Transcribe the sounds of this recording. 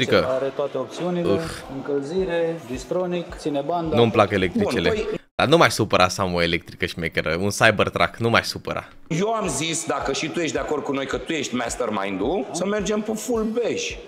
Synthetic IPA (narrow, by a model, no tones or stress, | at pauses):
ɾikəaɾet̪oat̪eop̚t̪siuniɨexɨŋkəlziɾed̪ist̪ɾonik̪sineband̪nuəmplakəelek̚t̪ɾiunt͡ʃelejd̪̥anumaaʃsupəɾʔasamoelek̚t̪ɾikəʃimekʲeɾəunsajbərt̪ɾʔa̰knumaa̰ʃsupəɾʔa̰ | je̞wamzisd̪akəʃit̪uje̞ʃt̪d̪eako̞rd̪̚kuno̞jkət̪ujeʃt̪ʲmast̪ərma̰jnd̪usəme̞rd͡ʒempefulbeʒ